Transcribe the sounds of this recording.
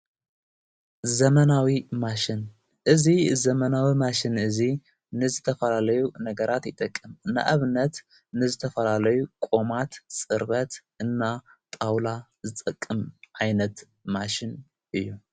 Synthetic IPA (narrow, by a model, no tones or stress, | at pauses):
zɐmɐnawimaʃɪn | ʔɨzizɐmɐnawimaʃɪnɨzi | nɨzɨt̪ʰɐfɐlalɐjunɐɡɐɾʔat̪jɪt̪ʼɐkʼːɨmɨnːa̰ʔaβɨnːɐt̪ | nɨzɨt̪ʰɐfɐlalɐjukʼo̞mat̪sʼɨɾβɐt̪ʔɨnːat̪ʼawla | zɨt̪ʼɐkʼːɨmʕajnɐt̪ | maʃɪn | ʔɨjːu